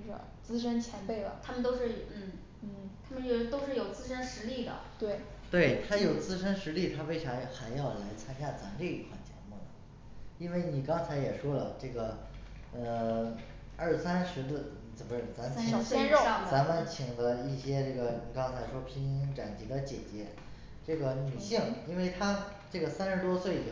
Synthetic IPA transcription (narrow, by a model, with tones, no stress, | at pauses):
t͡sɹ̩˥ʂə˥nt͡ɕʰjɛ˧˥npe˥˩ɪlə̰˩t̪ʰa˥mə˨nt̪o˥ʊʂɻ̩˥˩n̩˥˩ | n̩˥˩t̪ʰa˥mə˨˧˥t̪o˥ʊʂɻ̩˥˩jo˨˩ʊt͡sɹ̩˥ʂə˥nʂɻ̩˧˥li˥˩d̪ə̰˩t̪we˥˩ɪ | t̪we˥˩ɪt̪ʰa˥jo˨˩ʊt͡sɹ̩˥ʂə˥nʂɻ̩˧˥li˥˩t̪ʰa˥fe˥ɪʈ͡ʂʰɑ˧˥ŋxa˧˥ɪjɑ˥˩ʊla˧˥ɪt͡sʰa˥nt͡ɕja˥˩t͡sa˧˥mʈ͡ʂɤ˥˩i˧˥t̪ʰwa̰˥˩t͡ɕjɛ̰˧˥mu˥˩nə˩ | i˥nwe˥˩ɪni˨˩kɑ˥ŋt͡sʰa˧˥ɪjɛ˨˩ʂwɔ˥lə˨ʈ͡ʂɤ˥˩ɡə˩ | ə˧ | ə˞˥˩sa˥nʂɻ̩˧˥d̪ə˧ | t͡sə˨˩məʈ͡ʂ̩˥˩t͡sa˧˥mə˧i˧˩˥t͡sa˧˥mə˧nt͡ɕʰi˨˩ŋd̪ə˦i˥˩ɕjɛ˥ʈ͡ʂɤ˥˩ɡə˩˨˩kɑ˥ŋt͡sʰa˧˥ɪʂwɔ˥pʰi˧˥ŋ˥i˥ŋʈ͡ʂa˨˩nt͡ɕi˧˥d̪ə˧t͡ɕjɛ̰˨˩t͡ɕjɛ˧˥ | ʈ͡ʂɤ˥˩ɡə˩ny˨˩ɕi˥˩ŋi˥nwe˥˩ɪt̪ʰa˥ʈ͡ʂɤ˥˩ɡə˩sa˥nʂɻ̩˧˥t̪wɔ˥swe˥˩ɪi˨˩